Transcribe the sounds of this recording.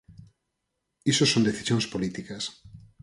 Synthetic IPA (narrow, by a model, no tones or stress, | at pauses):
isosõnd̪eθi̥sjõŋspolit̪ikɐs